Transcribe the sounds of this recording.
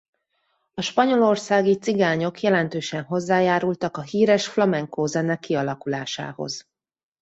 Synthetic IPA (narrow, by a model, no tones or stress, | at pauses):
ɒʃpɒɲo̞lo̞rsaːɡit̪siɡaːɲo̞kjɛlɛnt̪øːʃɛnɦo̞zːaːjaːɾult̪ɒkɒɦiːɾɛʃflɒmɛŋkoːzɛnɛkːiɒlɒkulaːʃa̰ːho̞̰z̥